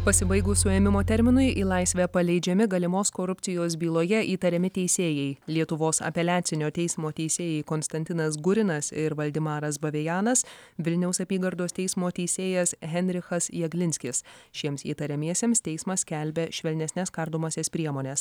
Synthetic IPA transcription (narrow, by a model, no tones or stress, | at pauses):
pɐsʲɪbɐɪɡʊsʊɛmʲɪmoːt̪ʲɛɾʲmʲɪnʊɪʔiːlˠɑɪsʲʋʲɛpɐlʲɛɪd͡ʒʲɛmʲɪɡɐlʲɪmoːskoːɾʊp̪ʲsʲɪjoːs̬bʲiːlˠoːjɛʔiːt̪ɐɾʲɛmʲɪt̪ʲɛɪsʲeːjɛɪlʲiɛt̪ʊʋoːsɐ̰pʲɛlʲæːt̪sʲɪnʲoːt̪ʲɛɪsʲmoːt̪ʲɛɪsʲeːjɛɪkoːnst̪ɐnʲt̪ʲɪnɐs̬ɡʊɾʲɪnɐsɪɾʋɐlʲd̪ʲɪmɑːɾɐsbɐʋʲɛjɑːnɐsʋʲɪlʲnʲɛʊsɐpʲiːɡɐɾd̪oːst̪ʲɛɪsmoːt̪ʲɛɪsʲeːjɛsɣʲɛnʲɾʲɪxɐsjɛɡlʲɪnʲsʲkʲɪsʃʲiɛmsiːt̪ɐɾʲɛmʲiɛsʲeːmst̪ʲɛɪsmɐskʲælʲbʲɛʃʲʋʲɛlʲnʲɛsnʲɛskɐɾd̪oːmɐsʲespʲɾʲiɛmoːnʲɛs